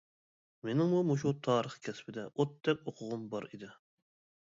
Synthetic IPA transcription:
menɪŋmumuʃ̬ut̪ʰɑːɾəχkʲʰɛspɪd̪ɛʔot̪ːɛkʲoqʰʊʁʊmbɑɾid̪ɪ

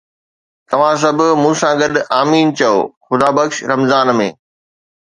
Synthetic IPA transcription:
t̪ɐʋ̤ãs̬ɐbʱʊmũːsãɡɐɗaːmiːnt͡ɕɐo̰ːxʊd̪aːbɐkʃɾɐmzaːnmḛ̃ː

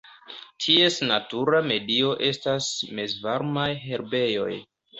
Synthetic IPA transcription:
tʰie̞snatuɾame̞dio̞ʔe̞stasme̞zvaɾmajɦe̞ɾbe̞jo̞̰j

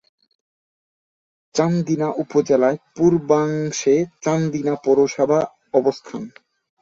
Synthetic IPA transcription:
t͡ɕand̪inaʔupod͡ʑelaepuɾbaŋʃet͡ɕand̪inapɔɾoʃabʱa | ɔbost̪ʰan

